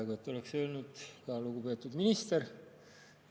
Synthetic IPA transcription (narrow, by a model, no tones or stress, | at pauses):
ɡ̥ue̞t̪ːˑo̞le̞ksø̞ːlnud̪̥kɑluɡ̥upe̞ːt̪ːˑud̪minist̪eɾ